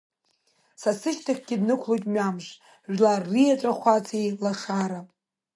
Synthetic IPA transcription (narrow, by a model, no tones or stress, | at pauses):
sasɨʃtʰaχʲɡ̥ʲɪdnɨkʷʰlojtʼmamʒʷ | ʒᶣlarːijaʈ͡ʂʷʼaχʷat͡sʰilaχaɾapʼ